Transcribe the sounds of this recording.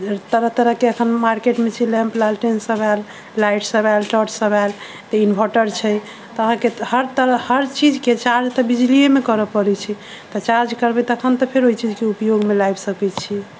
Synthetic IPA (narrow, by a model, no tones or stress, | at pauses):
t̪əɾəɦt̪əɾəɦkeəkʰənmaɾkeʈmet͡ʃʰilɛ̃mplalʈensəbɛlː | ajʈsəbɛlʈɔʈsəbɛl | t̪einbʱɔʈəɾt͡ʃʰəj | t̪ɔəɦãkehəɾt̪əɾəhəɾt͡ʃid͡ʒket͡ʃaɾd͡ʒt̪ɔbid͡ʒliemekəɾəpəɾɛt͡ʃʰi | t̪ɔt͡ʃaɾd͡ʒkəɾbɛt̪ɔəkʰənt̪ɔpʰeɾojt͡ʃid͡ʒkeupjoɡmelajbsəkɛt͡ʃʰi